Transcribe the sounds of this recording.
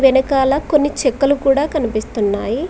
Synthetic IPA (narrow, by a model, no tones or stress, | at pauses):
ʋenɐkaːlɐko̞nːit͡ʃekːɐlukuːɽaːkɐnipist̪unːaːji